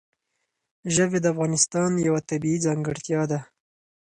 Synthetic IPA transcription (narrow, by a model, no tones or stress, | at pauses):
ʒəwed̪əafɣɑnɪst̪ɑnjawat̪abiid͡zɑŋɡəɽt̪jɑd̪a